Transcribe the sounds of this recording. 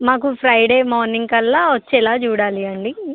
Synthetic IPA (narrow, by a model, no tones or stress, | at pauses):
maːkupʰɾɐjɖe̞ːmoːɾniŋkɐlːaːʋɐt͡ʃːɛlaːt͡ʃuːɽaːliɐɳɖi